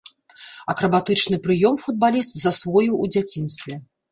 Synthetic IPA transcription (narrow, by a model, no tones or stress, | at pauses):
ɐkɾɐbat̪ɨt͡ʂnɨpɾɨjɔmfud̪̚balʲist̪zɐsvɔjuːd͡zʲat͡sʲinst̪vʲɛ